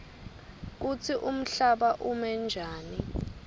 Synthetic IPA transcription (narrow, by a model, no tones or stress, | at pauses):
k̬ut͡sʰiʔum̩ɬaɓaʔumɛnd͡ʒʱaːni